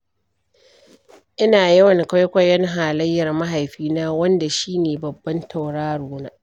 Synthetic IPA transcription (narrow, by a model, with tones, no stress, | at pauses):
ʔɪ˦naː˨jɐ˦wɐ˨ŋka˦jkʷɐ˦jɐ˦ŋɦaː˨lɐ˦jːɐ˨rmɐ˦ɦa˨jɸiː˦naː˦wɐ˦nda˨ʃiː˦neː˨bɐ˨bːɐ˦ntʰa˨wɽaː˦ɽuː˦naː˦ʔ